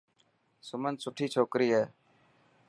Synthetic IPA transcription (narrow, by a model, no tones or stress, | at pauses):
sʊmənd̪sʊʈʰiːt͡ʃʰoːkɾiːɦeː